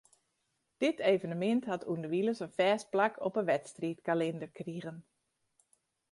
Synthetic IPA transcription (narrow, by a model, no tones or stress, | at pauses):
d̥ɪtʰeːvənəmɪnthatʰundəʋiləsənfɛːs̚plakʰɔpəʋɛtstritkalɪndərkriɣən